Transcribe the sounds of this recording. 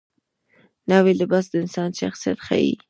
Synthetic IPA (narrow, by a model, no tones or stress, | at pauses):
nawilɪbɑs̬d̪əɪnsɑːnʃaxsijat̪χa̰ḭ